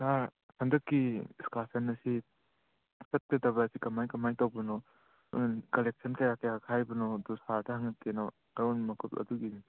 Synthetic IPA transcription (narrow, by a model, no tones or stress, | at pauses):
saɾ | sɐŋdɐkːiiskasɐnːɐsi | sɐt̚kedɐbasikɐmajkɐmajtawbɔnɔ | nkɐlek̚sɐnkɐjakɐjakʰajbɐnɔdusadɐhaŋɐkːenɔ | ɐjɔnmɐkʰupɐ̰duɡini